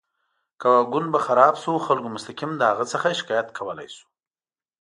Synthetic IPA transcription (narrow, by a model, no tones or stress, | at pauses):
kawaɡʊnbaxaɾɑbsuxalkomʊst̪akimd̪əhaɣət͡səxaʃɪ̥kɑjat̪kʰawəla̰jsu̥